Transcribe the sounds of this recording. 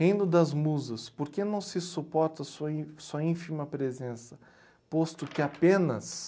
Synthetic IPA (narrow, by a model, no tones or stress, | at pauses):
hẽj̃d̪ʊd̪ɐzmuzɐspoɾkenɐ̃w̃sɪsupɔɾt̪ɐsuɐĩsuɐĩfimɐpɾezẽsɐ | post̪ʊkɪapẽnɐ̰s